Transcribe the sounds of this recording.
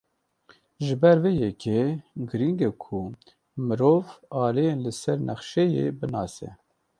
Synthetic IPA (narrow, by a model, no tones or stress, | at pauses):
ʒɨbɛɾveːjɛkʰeɡɨɾiŋɡɛkʰu | mɨɾoːvɑːlejenlɨsɛɾnɛχʃɛjḛbɨnɑːsɛ̰